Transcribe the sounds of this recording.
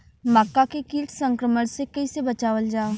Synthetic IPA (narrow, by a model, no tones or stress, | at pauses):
məkːakekiːʈʰsə̃ŋkɾəməɽ̃sekɐisebɐt͡ʃaːʋəld͡ʒaː